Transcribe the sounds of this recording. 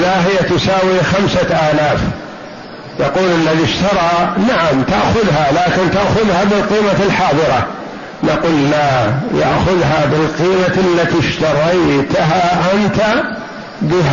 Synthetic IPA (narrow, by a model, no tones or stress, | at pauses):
ðaɦɪjːat̪ʊsaːwixamsaʔaːlaːf | jaquːlɪlːaðiʃt̪ɑɾˤɑnaʕamt̪aʔxʊðɦalaːkɪnt̪aʔxʊðhabɪlqiːmalħɑːðˤɨɾˤɑ | naquːlːaja̰ʔxʊðɦabɪlqiːmaalːat̪iʃt̪ɑɾˤɑjt̪ɦaʔɪnt̪a | ɡɪɦ